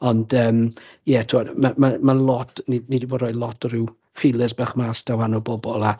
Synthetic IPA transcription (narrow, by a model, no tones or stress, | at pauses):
ɔndəːmjɛtʰuɔdmamamalˠɔtʰninidiboːdɾɔjdlˠɔtʰɔɾɪw | fɪlˠəsbɛχmaːsd̥awanɔbɔbɔlˠa